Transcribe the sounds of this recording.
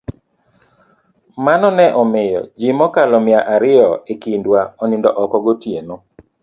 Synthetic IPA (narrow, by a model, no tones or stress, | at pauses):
manɔnɛʔɔmɪjɔ̰d͡ʒimɔkalɔmɪaʔaɾɪɔekindwaɔnɪndɔʔɔkɔɡotjeno